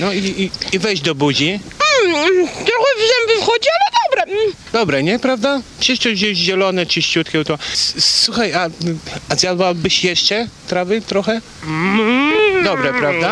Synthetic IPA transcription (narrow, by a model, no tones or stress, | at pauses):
nɔiːvɛjʑd͡ʑd̪ɔbud͡ʑim̩t̪ɾɔxɛvʐɛmbʲɛfxɔd͡ʑialɛd̪ɔbɾɛm̩ | d̪ɔbɾɛɲɛpɾavd̪apʂɛʂt͡ʂɛʑɛɕʑɛlɔnɛt͡ʂɨɕt͡ɕut̪kʲɛwt̪ɔsuxajaazʲjad̪wawbɘɕjɛʂt͡ʂɛt̪ɾavɘt̪ɾɔxɛ | d̪ɔbɾɛpɾavd̪a